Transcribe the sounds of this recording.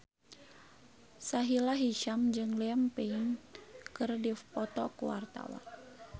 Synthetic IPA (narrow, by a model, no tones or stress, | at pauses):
saɦilaɦiʃamd͡ʒɨŋlɛampɛinkɨrdipɔt̪ɔkuwa̰rt̪a̰wa̰n